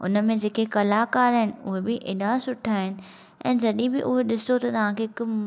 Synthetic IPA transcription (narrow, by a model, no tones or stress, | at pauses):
ʊ̰nəmẽd͡ʑeːkekɐlaːkaːɾɦɪnɪ̆ʊɦebɪʔḛːɗasʊʈʰaːɦɪnɪ̆ | ɛ̰̃ːd͡ʑɐɗĩbɪʔʊɦeɗɪsot̪ɐt̪ɐʋ̤ãkʰekʊ